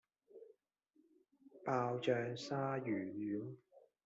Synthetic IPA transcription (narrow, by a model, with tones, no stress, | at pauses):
paː˧wt͡ʃœː˧ŋsaː˥jyː˨˩jyː˨˦w